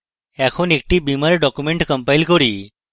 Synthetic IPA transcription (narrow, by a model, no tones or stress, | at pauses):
ɛkʰonek̚ʈiːbimaɾeɖɔkumeɳʈkəmpajlkəɾiː